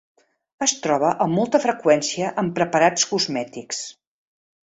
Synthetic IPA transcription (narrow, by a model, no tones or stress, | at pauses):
əst̪ɾɔβ̞əʔəmːɔlˠt̪əfɾəkwɛnsiəʔəmpɾəpəɾat͡skuzmɛt̪iks